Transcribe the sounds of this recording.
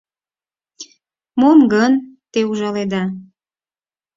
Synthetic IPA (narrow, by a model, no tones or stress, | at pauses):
momɡənt̪euʒɑled̪ɑ